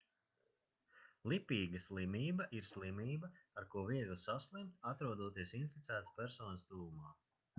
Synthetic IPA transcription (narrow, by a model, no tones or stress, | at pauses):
lˠipʲiːɡɐslˠimiːbɐʔiɾslˠimiːbɐaɾkuɔviɛɡlˠsaslˠɛmt̪at̪ɾuɔd̪uɔt̪iɛsint̪fit̪sæːt̪spʲæɾsɔːnəsd̪uːumaː